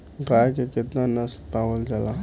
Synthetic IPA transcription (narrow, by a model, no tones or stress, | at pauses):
ɡaːjkekɪt̪nanəspaːʋəld͡ʒala